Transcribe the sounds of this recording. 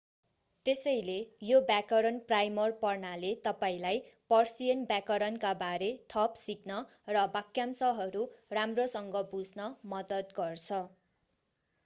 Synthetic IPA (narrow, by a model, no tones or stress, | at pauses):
t̪esʌjlejobjakʌɾʌnprajmʌrpʌrnalet̪ʌpaĩlajpʌrsiʌnbjakʌɾʌnkabaɾet̪ʰʌpsiknʌ | rʌbakjamsʌɦʌɾuramrosʌŋɡʌbud͡znʌmʌd̪ʌt̪ɡʌrt͡sʰʌ